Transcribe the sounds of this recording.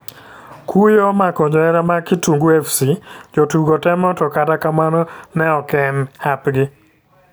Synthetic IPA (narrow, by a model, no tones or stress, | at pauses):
kujomakɔɲɔɛɾamakɪtuŋɡuefsid͡ʒotuɡɔtɛmɔtɔkatakamanɔnɛɔkɛnapɡɪ